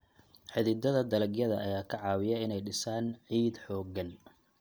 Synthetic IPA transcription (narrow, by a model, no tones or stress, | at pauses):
ħɪðɪd̪ɐðɐd̪ɐlɐɡjɐðɐʔɐjaːkʰɐʕɑːwɪjɐɪnɛjɖɪsaːnʕiːd̪ħɔːɡɐn